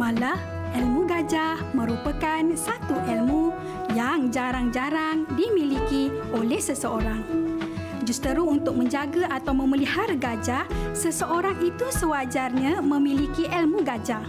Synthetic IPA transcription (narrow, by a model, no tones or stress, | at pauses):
mãla | ʔɛlmũɡad͡ʒa | mə̃ɾupakansat̪uʔɛlmu | jaŋd͡ʒaɾaŋd͡ʒaɾaŋdimiliki | olɛhsəsəoɾaŋ | d͡ʒust̪əɾuunt̪ʊk̚mə̃ɲd͡ʒaɡaʔat̪awmə̃məlihaɾɡad͡ʒasəsəʔoɾaŋit̪usəwad͡ʒarɲãmə̃milikiʔɛlmuɡad͡ʒa